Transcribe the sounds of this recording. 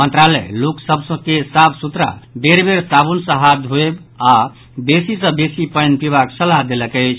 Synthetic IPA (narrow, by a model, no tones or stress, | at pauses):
mənt̪ɾalɛ̰loksəbsə̃kesabsut̪ɾa̰beɾbeɾsabunsə̃ɦat̪ɦoeba | besisə̃besipəjnpiβaksəlaɦd̪eləkəɪt͡ʃʰ